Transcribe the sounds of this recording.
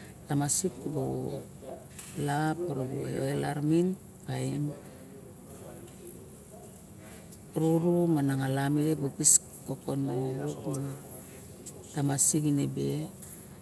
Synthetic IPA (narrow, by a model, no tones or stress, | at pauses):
tamasikbo | lapoɾoboḛoelaɾmin | kaim | ɾuɾumanaŋalamiɾebukis | kokonːauɾukma | tamasikinebe